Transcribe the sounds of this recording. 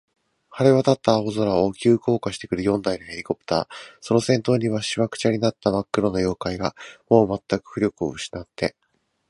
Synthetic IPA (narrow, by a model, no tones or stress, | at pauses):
haɾe̞βat̪at̪ːaːozoɾaokʲɨːko̞ːkaɕi̥t̪e̞kɯ̟ɾɯ̟jõ̞nd̪ainɯe̞ɾʲiko̞pɯ̟̥t̪a̰ːso̞no̞sẽ̞nt̪o̞ːɲ̟iβaɕiβakɯ̟̥t͡ɕaɲ̟ʲinat̪ːamakːɯ̟ɾo̞no̞jo̞ːkaiɡamo̞ːmat̪ːakɯ̟̥ɸɯ̟ɾʲo̞kɯ̟o̞̰ɯ̟ɕi̥nat̪ːe̞